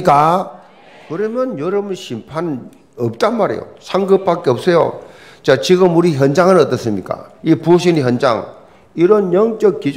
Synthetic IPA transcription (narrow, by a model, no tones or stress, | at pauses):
k͈a | kɯɾʌmjʌnjʌɾʌbɯnɕʰimpʰan | ʌp̚t͈anmaɾḛjo̰sʰaŋɡɯp̚p͈ːak͈eʌp̚s͈ejo̰ | t͡ɕat͡ɕiɡɯmuɾiçjʌnd͡ʑaŋɯnʌt͈ʌs͈ɯmɲik͈a̰ipuɕ̬ʰiniçjʌnd͡ʑa̰ŋ | iɾʌnjʌŋt͡ɕ͈ʌk̚k͈id͡ʑ